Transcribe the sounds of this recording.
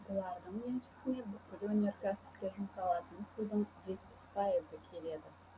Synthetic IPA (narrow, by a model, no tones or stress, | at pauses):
bʊlˠɑɾd̪əɴenʃɪ̥sɪne̞bʏkʲːɪlwɵnʲe̞ɾkʲʰæsɪ̥p̚t̪ʲe̞ʒʊmsɑlˠɑt̪ənsud̪əɴʒe̞t̪̚pɪ̥spʰɑjəzəkʲʰe̞le̞d̪ɪ